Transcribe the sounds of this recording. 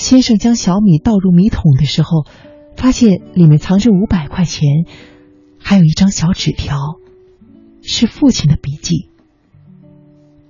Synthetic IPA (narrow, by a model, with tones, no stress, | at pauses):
ɕjɛ˥nʂɤ˥˩ŋt͡ɕjɑ˥ŋɕjɑ˧˥ʊmi˨˩t̪ɑ˥˧ʊɻu˥˩mi˧˥t̪ʰʊ˨˩ŋd̪ə˦ʂɻ̩˧˥xo˥˧ʊ | fa˥ɕjɛ˥˩nli˨˩mjɛ˥nt͡sʰɑ˧˥ŋʈ͡ʂɤ˥u˧˥pa˨˩ɪkʰwa˥˩ɪt͡ɕʰjɛ˧˥n | xa˧˥ɪjo˨˩i˥˩ʈ͡ʂɑ˥ŋɕjɑ˧˥ʊʈ͡ʂɻ̩˨˩t̪ʰjɑ˧˥ʊ | ʂɻ̩˥˧fu˥˧t͡ɕʰi˨˩nd̪ə˦pi˨˩t͡ɕi˥˩